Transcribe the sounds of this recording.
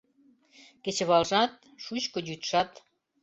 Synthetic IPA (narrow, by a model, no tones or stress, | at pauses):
ket͡ɕĕβɑlʒɑt̪̚ʃut͡ɕkŏd͡ʑyt̪ʃɑt̪